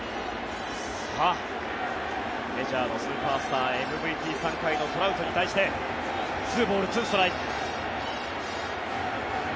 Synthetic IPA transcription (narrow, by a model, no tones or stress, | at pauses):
ha | me̞ʑaːno̞sɨːpaːsɨ̥t̪aːemɯ̟bɯ̟it̪ʲiːsãŋkaino̞t̪o̞ɾaɯ̟t̪o̞ɲ̟it̪aiɕi̥t̪e̞ | sɨːbo̞ːɾɯ̟t͡sɨːst̪oɾai